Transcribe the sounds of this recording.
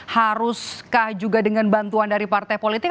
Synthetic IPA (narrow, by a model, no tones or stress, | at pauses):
haɾʊskahd͡ʒuɡadəŋanbant̪uandaɾipart̪ajpolit̪ɪk